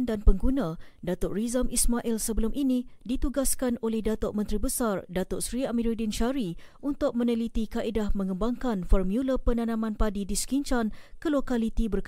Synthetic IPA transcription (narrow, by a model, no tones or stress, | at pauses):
ndanpəŋɡunãdat̪ʊʔrizamʔismaʔilsəbəlʊmʔinĩdit̪uɡaskanolɛhdat̪oʔ̚mə̃nt̪ɾibəsardat̪ʊʔsɾiamiɾidinʃaɾi | unt̪ʊk̚mə̃nəlit̪ikaʔedahmə̃ŋə̃mbaŋkanfɔrmjuləpənãnãmãnpadidiskiɲt͡ʃankəlokalit̪ibərk